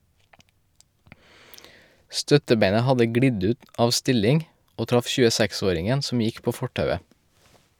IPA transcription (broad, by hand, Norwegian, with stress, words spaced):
ˈstœtəˌbeɪnə ˈhɑdə ˈɡɽɪɟ ˈʉːt ˈɑːʋ ˈstɪlɪŋ ˈoː ˈtɾɑf ʃʉːəˈsɛkˌsoːɾɪŋən ˈsɔm ˈjɪk ˈpoː ˈfɔʈɑʉə